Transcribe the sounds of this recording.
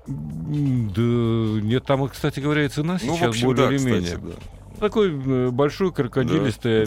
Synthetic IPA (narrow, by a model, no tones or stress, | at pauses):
d̪ənʲet̪ːamɨkst̪atʲɪɡəvɐɾʲæaɪt̪sɨnasʲɪt͡ɕasbolʲɪɪɪlʲɪmʲenʲɪjə̰d̪a̰ | t̪ɐko̞jbɐlʲʂojʊkəɾkɐd̪ʲilʲɪst̪əjə